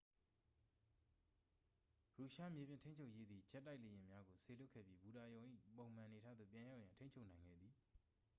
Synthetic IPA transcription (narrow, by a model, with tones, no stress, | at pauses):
ɹu˨ʃa˦mje˨bjɪ̃˦˨nʰtʰẽ˦ɲt͡ɕʰo˦ʔje˦d̪ði˨d͡ʑɛ˦tːa˦ɪʔle˨jɪ̃˨mja˦ɡo˨sʰe˨lʊ˦kʰːɛ̰˦˨pji˦˨bu˨ɾa˨jõ˨ʊ̃ʔḭ˦põ˨ʊ̃m̥ã˨ne˨tʰa̰˦d̪ðo̰˦˨pjã˨ja˦ʊjã˨ntʰẽ˦ɲt͡ɕʰo˦ʔnã˨ɪ̃ŋɡɛ̰˦˨d̪ði˨